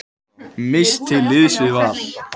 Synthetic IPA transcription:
mɪst̪ʰːɪlːɪðsvɪðvaɾ̥

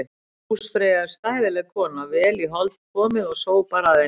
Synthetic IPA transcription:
ɪ | usfɾɛːɣaɾ̥st̪aːjðɪlɛɣkʰɔːnavɛːliɦɔlt̪kʰɔːmɪðɔɣsoːwpaːɾaðe

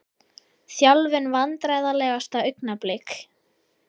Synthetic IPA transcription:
θjalvɪnvant̪ɾajðalɛːɣast̪aʏɥknaplek

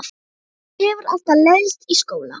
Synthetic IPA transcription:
ɛvʏɾa̰l̥t̪alɛðst̪iskoːwla̰

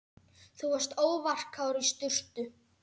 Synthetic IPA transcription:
θuhɛ̥st̪oːwvar̥kʰawɾist̪ʏr̥t̪ʏ

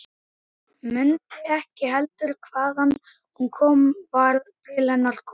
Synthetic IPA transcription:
mʏnt̪ɪɛhcɪɦɛlt̪ʏɾkʰvaːðanː | hunkʰɔːmvaɾðt̪ʰɪlhɛnːaɾ̥kʰɔ

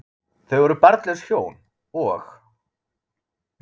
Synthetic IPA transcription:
θœɥɣɛɾʏpaɾt̪lɛsçjoːwn | ɔx

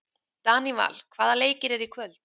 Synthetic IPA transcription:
t̪aːniva̰lkʰv̥aːðaleːjcɪɾɛɾikʰvœlt̪

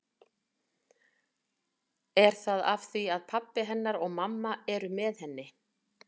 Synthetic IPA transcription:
ɛɾ̥θaða̰v̥θiaðpʰapːɪɦɛnːaɾɔɣmamːaɛɾʏmɛðhɛnːɪ

